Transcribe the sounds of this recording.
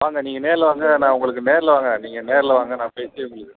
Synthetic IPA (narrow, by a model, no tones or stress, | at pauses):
ʋaːŋɡɐniːŋɡɐneːɾɪlɐʋaːŋɡɐnãːʊŋɡɐɭɯkːɯneːɾɪlɐʋaːŋɡɐniːŋɡɐneːɾɪlɐʋaːŋɡɐnãːpeːseːmʊɽɪðɯ